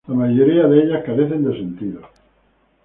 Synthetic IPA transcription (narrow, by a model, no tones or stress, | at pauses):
lamaʝoɾiaðeeʎahkaɾeθend̪esent̪iðo